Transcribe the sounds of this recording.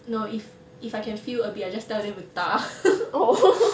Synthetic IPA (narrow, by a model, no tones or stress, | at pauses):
noif | ifajkɛ̃nfiləbiaɪjd͡ʒastɛldɪt̚wɪθt̪a | o